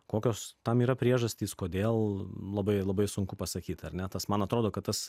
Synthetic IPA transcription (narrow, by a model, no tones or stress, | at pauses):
koːkʲoːst̪ɐmiːɾɐpʲɾʲiɛʒɐsʲt̪ʲiːskoːd̪ʲeːlˠlˠɐbɐɪlˠɐbɐɪsʊŋkʊpɐsɐkʲiːt̪ɐɾʲnʲɛt̪ɐsmɐnɐt̪ɾoːd̪oːkɐt̪̚t̪ɐs